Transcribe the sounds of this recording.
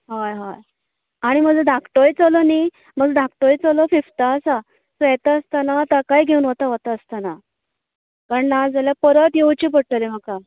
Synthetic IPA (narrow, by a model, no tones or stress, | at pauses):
ɦajɦaj | aɽ̃im̤əd͡zəd̪ʱakʰʈojt͡səloniː | m̤əɡd͡zəd̪ʱak̚ʈojt͡səlofift̪aəsa | səɛt̪aəst̪anat̪akajɡʱeunɦot̪aɦot̪aəst̪ana | kaɾəɳnːad͡zaljapəɾət̪jewt͡ɕiːp̬əɽʈ̪əlem̤əka